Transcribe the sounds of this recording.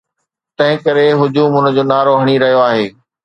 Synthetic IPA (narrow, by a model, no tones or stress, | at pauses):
t̪ɐ̃ɦɪ̃kɐɾeɦʊd͡ʑuːmʊnə̆d͡ʑoːnaːɾoɦɐɽ̃iɾɐɦijoaːɦeː